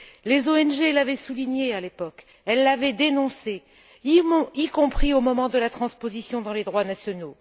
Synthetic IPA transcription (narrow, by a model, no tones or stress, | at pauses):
lezoɛnʒelavɛsuliɲealepɔk | ɛlːavɛd̪enɔ̃sẽ | ikɔ̃pχiomɔmɑ̃d̪əlat̪χɑ̃spozisjɔ̃d̪ɑ̃led̪ʁwanasjɔno